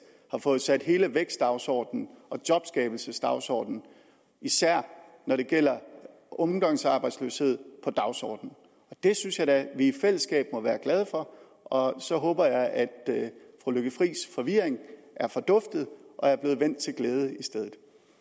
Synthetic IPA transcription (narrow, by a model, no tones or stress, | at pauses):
hɑ̈fɔ̽ːð̞̩ˠsæd̥ɦe̝ːləʋeɡ̥sd̥ɑ̈ʊsɒ̰ːd̥n̩ɒ̽d̥jɒ̽b̥sɡ̥ɛːb̥l̩səsd̥ɑ̈ʊsɒ̰ːd̥n̩ | isæɐ̰ | nɒɾe̝ɡ̥el̰ɐ | ɒ̽mɡ̥ɒŋ̰sɑ̈ːb̥ɑ̈ɪdsløshe̝ð̞̰ˠpʰɒ̽d̥ɑ̈ʊsɒ̰ːd̥n̩ | ɒ̽d̥e̝synsjɑ̈ɪd̥æʋiːfel̰əsɡ̥ɛ̰ːb̥mɒ̽ʋæːɐɡ̥lɛð̞ˠəfɒ̽ | ɒ̽sɒ̽ɦɔ̽ːb̥ɐjɑ̈ɪʔæd̥ | fʁuløɡ̥əfʁḭːsfɒ̽ʋiɐ̰eŋʔæɐfɒ̽d̥ɔ̽fd̥ð̞̩ˠʔɒ̽æɐb̥le̝ːð̞̩ˠʋen̰d̥̚t͡sʰe̝lɡ̥leːð̞ˠəisd̥eðˠð̩ˠ